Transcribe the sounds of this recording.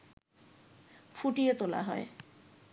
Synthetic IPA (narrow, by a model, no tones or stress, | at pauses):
fuʈiet̪ola̰ɦɔe